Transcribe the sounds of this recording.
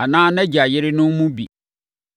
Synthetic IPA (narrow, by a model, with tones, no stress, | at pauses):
a˨nãː˦nɛ̃˦d͡ʑɪ˨a˨jɪ˦ɾɪ˦nʊ̃˦nmũ˦bi˨